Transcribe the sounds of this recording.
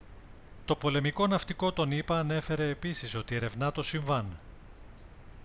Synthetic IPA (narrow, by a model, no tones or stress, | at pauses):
t̪o̞po̞le̞miko̞nɐft̪iko̞t̪o̞nipɐːne̞fe̞ɾe̞ːpisiso̞t̪ie̞ɾe̞vnɐt̪o̞siɱvɐn